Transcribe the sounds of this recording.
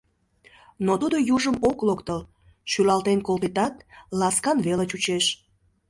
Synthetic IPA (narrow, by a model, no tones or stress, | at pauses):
not̪ud̪ojuʒəmoklokt̪əl | ʃylɑlt̪enkolpet̪ɑt̪lɑskɑnβelət͡ɕut͡ɕeʃ